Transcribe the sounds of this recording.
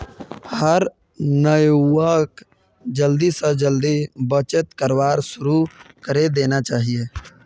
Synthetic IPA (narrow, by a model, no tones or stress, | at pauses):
həɾ | nəjwək | d͡ʒəld̪isə̃d͡ʒəld̪ibət͡ʃət̪kəɾwaːɾsʊɾukəɾed̪eːnat͡ʃaːɦijeː